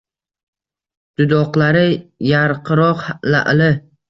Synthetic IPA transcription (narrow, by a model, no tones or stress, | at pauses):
d̪̥ʊd̪ɒqlˠaɾɪjaɾqʰɨɾɒqhala̰ʔlɪ